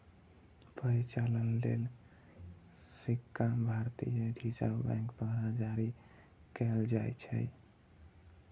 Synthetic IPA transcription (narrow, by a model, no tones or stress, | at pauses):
pəɾit͡ʃalənlḛl | sikːabʱaɾt̪ijəɖʱid͡ʒəbɛ̰̃ŋkd̪əɾad͡ʒaɾi | kɛld͡ʒajt͡ʃʰɛ̰j